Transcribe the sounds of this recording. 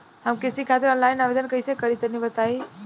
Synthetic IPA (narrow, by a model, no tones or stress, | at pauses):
ɦəmkesikʰat̪ɪɾɔnlaɪnabed̪ənkəjsekəɾit̪ənibət̪ai